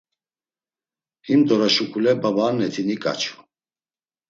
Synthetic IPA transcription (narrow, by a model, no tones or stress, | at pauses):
himd̪ɔɾaʃukʰulɛbabaːnɛt̪ʰinikʼa̰t͡ʃʰu̥